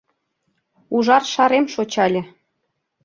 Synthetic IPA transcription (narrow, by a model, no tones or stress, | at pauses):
uʒɑrʃɑɾemʃot͡ɕɑlʲĕ